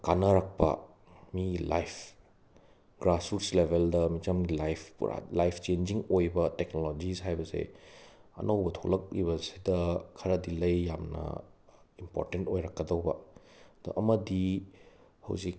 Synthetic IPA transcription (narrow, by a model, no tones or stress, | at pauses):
kanɐɾɐk̚pɐ̰ | milajpʰ | ɡ̥ɾasuɾslebʱeldɐmid͡ʒɐmɡilajpʰɾa̰lajpʰt͡ʃend͡ʒiŋojbɐteknolod͡ʒishajbɐsḛ | ɐ̰nɐwbɐtʰolɐk̚liβɐsidɐkʰɐɾɐdilɐjːamnɐ̰ | impo̰ɾtentojɾɐkːɐdɐwbɐ̰d̥̪o̰ʔɐmɐdi | hɐ̰wzik̚